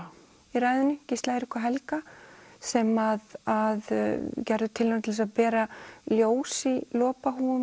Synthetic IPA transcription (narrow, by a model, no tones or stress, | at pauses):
iɾajðʏnːʏcɪst̪laɪɾɪhkvaɦɛlkasɛmaðað̰cɛɾðʏt̪ʰɪlːant̪ɪlɛsaðpɛːɾaljoːwsilɔːpaɦuːʏm